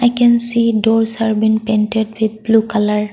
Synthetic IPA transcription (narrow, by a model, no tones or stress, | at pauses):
ajkɛ̃nsidɔɹshaɹbinpẽnʈedwid̪̚blukalaɹ